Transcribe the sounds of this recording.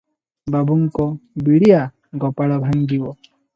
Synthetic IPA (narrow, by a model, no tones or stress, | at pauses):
babuŋkɔbiɽija | ɡɔpalabʱaŋɡiwɔ